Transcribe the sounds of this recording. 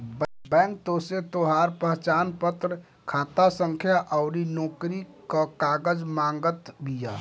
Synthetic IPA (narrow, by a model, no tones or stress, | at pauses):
bbɛ̃ːŋk̚t̪oset̪oɦaɾpəɦt͡ʃaːnpət̪ɾ | kʰaːt̪asəŋkʰjaʔəʊɾinɔːkɾikəkaɡəd͡ʒmãŋɡət̪bʱija̰